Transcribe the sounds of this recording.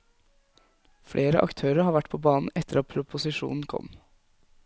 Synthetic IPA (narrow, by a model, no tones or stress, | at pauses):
fɽʔeːɾəʔɑ̰kt̪ʰøːɾəɾhɑːʋæʈpʰoːbɑːnn̩ɛt̪əɾɑt̪pʰɾʊpʊsɪʃṵːnn̩kʰɔ̰m